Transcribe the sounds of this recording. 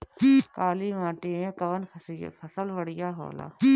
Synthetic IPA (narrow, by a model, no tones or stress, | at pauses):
kaːliʋãːʈiẽkɐʋən̰fʰɐsəlʋəɽɪjaːɦo̰ːla̰ː